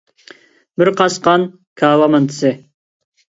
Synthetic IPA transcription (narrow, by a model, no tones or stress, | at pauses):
bɪɾqʰɑsqɑn | kʰɑːwɑmɑnt̪ʰɨ̥sɨ